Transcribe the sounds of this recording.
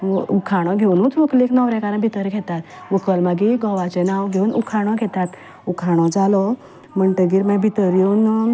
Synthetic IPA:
ukʰaɽ̃ɔɡʱeunuːt̪ʰʋukleknɔʋɾɛ̃kaɾəɳbʱit̪əɾɡʱɛt̪at̪ | ʋukəlmaɡiɡɔʋat͡ɕenaʋɡʱeunṵkʰaɽ̃ɔ̃ɡʱɛt̪at̪ | ukʰaɽ̃ɔd͡zalɔ | məɳʈəɡiɾmãbʱit̪əɾjewn

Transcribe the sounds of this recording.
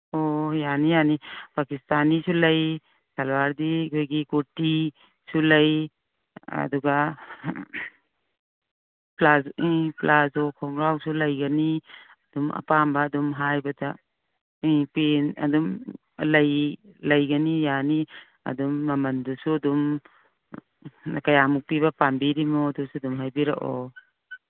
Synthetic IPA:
ojanijanipakistanisulɐj | salwaɾdikʰojɡikoti | sulɐj | ɐ̰duɡa | plaziplazokʰɔŋɾawsulɐjɡɐni | ɐdumɐ̰pambaːdumɦajbata | ipenɐ̰dum | lɐjlɐjɡanijani | ɐ̰dumːɐmɐndusuɐdum | nakajamuk̚piβapambiɾimudusuadumɦajbiɾaʔɔ̰

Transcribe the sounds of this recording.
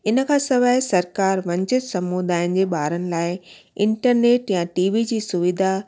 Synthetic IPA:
ɪnə̆kʰãːsɐʋaːɪsɐɾkaːɾʋɐ̃ɲt͡ɕɪt̪sɐmud̪aːɪ̃nɪ̆d͡ʑeːɓaːɾənɪ̆laːɪ | ɪ̃ɳʈəɾneːʈjãʈiːʋid͡ʑiːsʊʋɪd̪ʱa

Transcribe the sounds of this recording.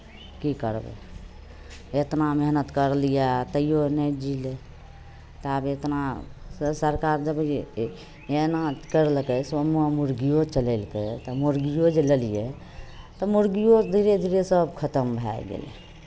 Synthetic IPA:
kikəɾbḛ | et̪nameɦnət̪kəɾlijat̪əijonɛd͡ʒile | t̪abet̪na | səɾkaɾd͡ʒəb | enakəɾlkəsʋəmuamuɾɡijot͡ʃələlket̪ɔmuɾɡijod͡ʒelelije | t̪ɔmuɾɡijod̪ʱiɾed̪ʱiɾesəbkʰət̪əmbʱaɡḛlḛ

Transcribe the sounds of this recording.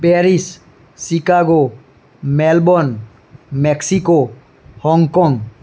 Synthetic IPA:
pɛɾisː | ikaɡo | mɛlbɔn | mɛksiko | hɔŋkɔŋ

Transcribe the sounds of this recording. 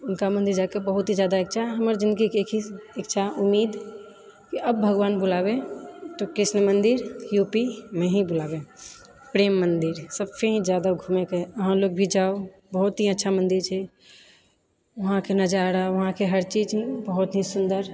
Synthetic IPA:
ʊnkamənd̪iɾd͡ʒakebəɦut̪ɦid͡ʒjad̪aek̚t͡ʃʰaɦəməɾd͡ʒĩnd̪ɡikeekʰiekt͡ʃʰaʔumːid̪ | kiəbbʱəɡʋaːnbulabet̪okɾɪsnəmənd̪iɾjupimẽɦĩbulabe | pɾeːmːənd̪iɾsəbpʰeɦĩd͡ʒjad̪aɡʱumekeəɦãloɡ̚bʱid͡ʒao | bəɦut̪ɦiətːʃʰamənd̪iɾt͡ʃʰɛ | ʋəɦãkenəd͡ʒaɾaʋəɦãkeɦəɾt͡ʃid͡ʒbəɦut̪ɦĩsund̪əɾ

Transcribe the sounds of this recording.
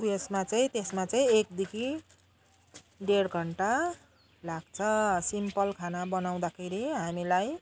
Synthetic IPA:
esmat͡sʌĩt̪esmat͡saĩek̚d̪ikʰi | ɖeɽɡʱʌɳʈa | laɡ̚t͡sʰʌsimpʌlkʰanabʌnaw̃d̪akʰeɾiɦamilaj

